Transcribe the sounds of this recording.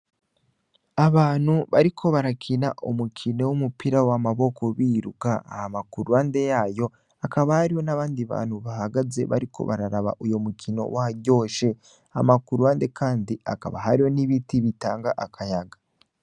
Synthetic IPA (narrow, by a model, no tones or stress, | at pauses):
aβaːn̥huβaɾikʰo̞βaɾakʰinaʔomukʰino̞womupiɾawamaβo̞kʰo̞βiːɾukaa̰hamakuɾwaːnde̞jaːjo̞ | akaβahaɾiho̞naβaːndiβa̰ːnhuβaɦaɡaze̞̰βa̰ɾikʰo̞̰βa̰ɾaɾaβa̰ʔujo̞mukʰino̞̰wʔaaɟo̞ːʃe̞ | amakuɾwaːnde̞kʰaːndia̰ka̰βa̰ɦaɾiho̞niβitiβitaːŋɡaʔakʰajaɡḁ